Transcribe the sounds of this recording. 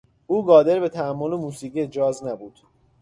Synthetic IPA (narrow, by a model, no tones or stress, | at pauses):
ʔuːɡɒːd̪e̞ɾbe̞t̪ʰæːmːolemuːsiːɡied͡ʒɒːznæbuːd̪̥